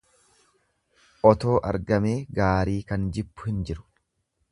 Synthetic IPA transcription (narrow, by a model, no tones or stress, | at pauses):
ʔɔt̪o̞ːʔɐ̰ɾɡɐmeːɡaːɾiːkɐnd͡ʒɪbːʊ̥hɪnd͡ʒɪɾʊ̥